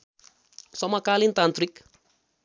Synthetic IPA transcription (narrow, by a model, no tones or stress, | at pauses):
sʌmakalint̪ant̪ɾik